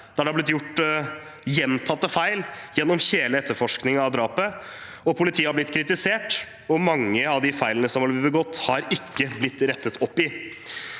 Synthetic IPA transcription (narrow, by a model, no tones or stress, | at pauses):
d̪̥æɖɛhɑblɪt̪jʊʈː | jɛnt̪ʰɑt̪ːəfæɪljɛnːɔmçeːləɛt̪ːəɾfɔʂknɪŋɑd̪ɾɑːpə | ɔpʰʊlɪt̪ʰiːəhɑɾblɪt̪ːkʰɾɪt̪ɪseːʈ | ɔmɑŋːəɑʋd̪ɪfæɪlənəsɔmhɑlbəɡɔt̪ːhɑɾɪkːəblɪt̪ːɾɛt̪ːət̪ɔpːɪ